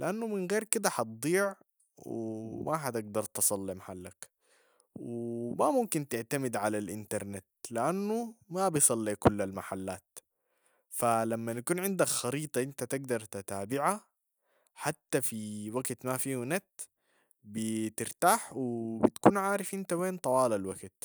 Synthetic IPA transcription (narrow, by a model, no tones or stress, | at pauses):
lɪʔanːumɪnɣeːɾkɪd̪aħɑt̪̚d̪ˤiːʕ | wmaħat̪ɪɡ̚d̪ɑɾˤt̪ɨsˤɑlːimaħalːak | wmamʊmkint̪ɪʕt̪amɪd̪ʕalalʔɪnt̪ɑɾˤnɪt̪lɪʔanːumabijsˤɑlːikʊlːalmaħalːaːt̪ | falamːanakuːnʕɪnd̪akxɑɾiːt̪ˤɑʔɪnt̪at̪ɪɡ̚d̪ɑɾˤt̪at̪aːbɪʕa | ħat̪ːafiwaɡt̪mafiːhnat̪ | bɪt̪ɪɾt̪aːħwɪbɪt̪kuːnʕaːɾɪfʔɪnt̪aweːnt̪ˤɑwɑːlalwaɡt̪̚